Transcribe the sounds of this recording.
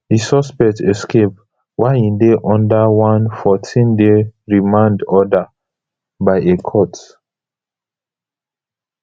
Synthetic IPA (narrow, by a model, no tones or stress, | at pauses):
hisɔspɛk̚tɛskʰep̚ | waɪĩndeʔɔ̃ndawãnfɔtʰĩndeɹimãndɔda | baɪekʰɔt